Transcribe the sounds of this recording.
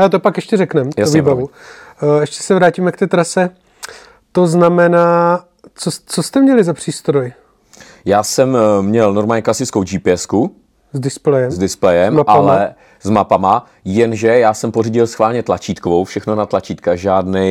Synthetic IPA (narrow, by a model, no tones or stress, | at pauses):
alɛt̪opakjɛʃcɛrɛknɛmjaovibavu | ɛʃcɛ̥sɛvɾaːcimɛkt̪ɛːt̪ɾasɛ | t̪oznamɛnaː | t͡sot͡sost̪ɛmɲɛlɪzapr̝̥iːst̪ɾoj | jaːsɛmmɲɛlnoɾmaːlɲɛklasɪt͡skowd͡ʒiːpɪɛsku | zdɪsplɛjɛzdɪsplɛjɛmmaaalɛ | zmapama | jɛnʒɛjaːsɛmporiɟɪlsxvaːlɲɛt̪lat͡ʃiːt̪kovowfʃɛxnonat̪lat͡ʃiːt̪kaʒaːdnɛj